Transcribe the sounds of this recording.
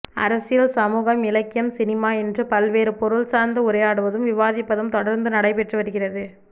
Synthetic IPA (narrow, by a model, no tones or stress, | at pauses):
ɐ̰ɾɐsɪjɪlsɐmuːɣɐmɪlɐɪkːɪjɐmsɪnɪmaːɛndrɯpɐlʋeːɾɯpɔɾɯɭsaːɾnd̪ɯʊɾɐjaːɽɯʋɐðɯmʋɪʋaːðɪpːɐðɯmt̪ɔɽɐɾnd̪ɯnɐɽɐɪpɛʈrɯʋɐɾɯɣɪrɐðɯ